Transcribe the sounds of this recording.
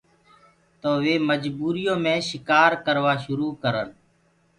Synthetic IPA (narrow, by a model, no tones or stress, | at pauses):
t̪oːʋeːməd͡ʒbuːɾɪjõːmẽːʃɪkaːɾkəɾʋaːʃʊɾuːkəɾən